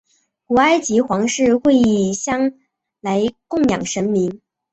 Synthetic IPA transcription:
ku˨˩a˥ɪt͡ɕi˧˥xwɑ˧˥ŋʂɻ̩˥˧xwe˥˧ɪi˥˩ɕjɑ˥ŋ | la˧˥ɪkʊ˥˩ŋjɑ̰˨˩ŋʂə˧˥nmi˧˥n

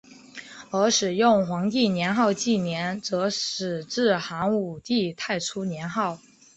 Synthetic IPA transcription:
ə˞˧˥ʂɻ̩˨˩jʊ˥˩ŋxwɑ˧˥ŋt̪i˥˩njɛ˧˥nxɑ˥˧ʊt͡ɕi˥˩njɛ˧˥nt͡sɤ˧˥ʂɻ̩˨˩ʈ͡ʂɻ̩˥˩xa˧˥ŋu˨˩t̪i˥˧t̪ʰa˥˩ɪʈ͡ʂʰu˥njɛ˧˥nxɑ˥˩ʊ

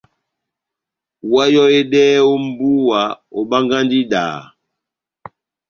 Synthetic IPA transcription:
wa˦jɔ˦e˦ɗɛ˦o˦m̩˦bu˦wa˨o˨ɓa˦ŋɡa˦ndi˦ɗa̰ː˨

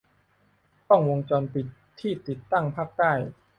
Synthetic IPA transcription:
t̪ɔ˥˩ŋwo˧ŋt͡ɕɔː˧npi˨˩t̪ʰːiː˥˩t̪i˨˩t̪ːa˥˩ŋpʰaː˥˩k̚t̪aː˥˩j

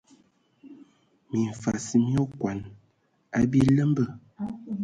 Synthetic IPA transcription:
mi˨ɱ˨fa˨si˦mi˦o˦kwa˨n | a˦bi˦lə˦mbə˦˨

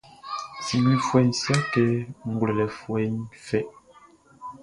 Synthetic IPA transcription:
si˨mi˦fwɛ˨n̩˨sja˦kɛ˦ŋ̩˨ɡwlɛ˨lɛ˨fwɛ˨˦ɲfɛ˦˨ʔ

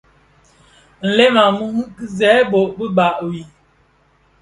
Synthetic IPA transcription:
n̩˨lɛ˦ma˨mu˦mu˦kzɛ˨˦bo˨ʔbə˦ba˨ʔwi˨

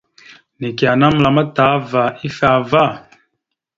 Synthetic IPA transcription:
ni˨ki˨a˨na˦m˨la˨ma˦ta˨˦va˨i˦fa˨va˦˨

